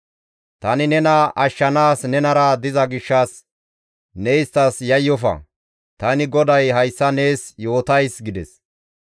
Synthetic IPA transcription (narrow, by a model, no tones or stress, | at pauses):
t̪ɐnɪnɛnɐʔɐʃːɐnaːsnɛnɐɾɐd̪ɪzɐɡɪʃːɐs | nɛjɪst̪ɐsjɐjːɔfɐ̰ | t̪ɐnɪɡɔd̪ɐjɦɐjsːɐne̞ːsjo̞ːt̪ɐjsɡɪd̪ɛs